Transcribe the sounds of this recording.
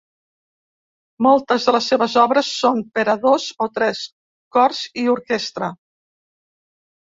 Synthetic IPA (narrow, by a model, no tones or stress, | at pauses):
mɔlˠt̪əzðələsːeβəzɔβɾəsːompəɾəðozot̪ɾɛs | kɔrziuɾkest̪ɾə